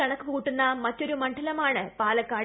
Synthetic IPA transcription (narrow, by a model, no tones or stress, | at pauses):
ɐɳɐkːɨkuːʈːunːɐmɐtːo̞ɾumɐɳɖʰʱɐlɐmaːɳɨpaːlɐkːaː